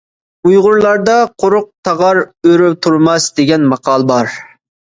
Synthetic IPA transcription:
ujʁʊɾlˠɑɾd̪ɑqʰoɾʊq̚t̪ʰɑʁɑɾøɾypt̪ʰuɾmɑsd̪eɡʲɛnmɑqʰɑːlˠəbɑɾ

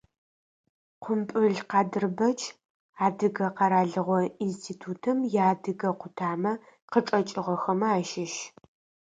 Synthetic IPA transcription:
qʷʊmpʼɨɮqɑːdɨrbɐt͡ʃʰʼ | aːdɨɡɐqɑɾaːɮɨʁʷɔinstʰiːtʰuːtʰɐmjaːdɨɡɐqʷʊtʰaːmɐ | qəʈ͡ʂʼɐt͡ʃʼɪʁɔxɐmɐaːʃɪʃ

